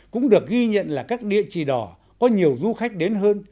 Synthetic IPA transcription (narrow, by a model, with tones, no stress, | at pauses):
kʊ̰˧˥ŋ͡mɗɨ˨˩ək̚ɣi˧ɲə̰˧˨nlaː˨˩kaː˦˥k̚ɗḭ˧˨ət͡ɕi˨˩ɗɔ˨˩ | kɔ˨˦ɲi˨˩əwzu˧xa˦˥jk̟̚ɗe˨˦nɦəː˧n